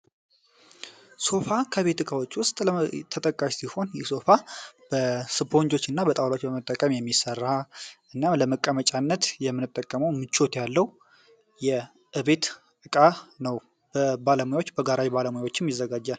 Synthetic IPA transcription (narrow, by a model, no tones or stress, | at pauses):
so̞fakʰəβe̞t̪ɨkʼawɔt͡ʃʼːwʊst̪ʼlət̪ʰət̪ʼəkʼːaʃsiho̞njɛso̞fab̥əsɨpʰo̞ɲd͡ʒo̞t͡ʃːɨnːabət̪ʼawlot͡ʃːbəmət̪ʼːəkʼəmjɛmːisərːaʔɨnːamləməkʼːəmət͡ʃʼanːət̪jɛmːɨnɨt̪ʼːəkʼːəməwmɨt͡ʃːo̞t̪jalːəw | jɛ | ʔɨβe̞t̪ | ɨkʼanəw | b̥əbaləmujawot͡ʃːbəɡaɾawibaləmujawo̞t͡ʃːɪmjizːəɡad͡ʒːal